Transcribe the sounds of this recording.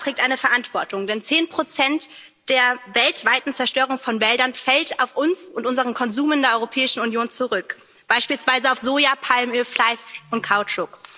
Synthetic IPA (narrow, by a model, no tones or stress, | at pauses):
tʁ̥ɛːk̚taɪnəfɛɐʔantv̥ɔɐtʰʊŋdɛnt͡seːnpʁ̥ot͡sɛnt | d̥eːɐvɛltv̥aɪtn̩t͡sɛɐʃtøːʁ̞ʊŋfɔnvɛldɐnfɛltaʊfʔʊnsʔʊntʔʊnzəʁənkʰɔnzuːməndeːɐɔʏʁopʰɛːɪʃn̩unjoːnt͡suʁʏk | b̥aɪʃpiːlsv̥aɪzəaʊfz̥oːjapʰalmøːflaɪsʊntkʰaʊt͡ʃʊk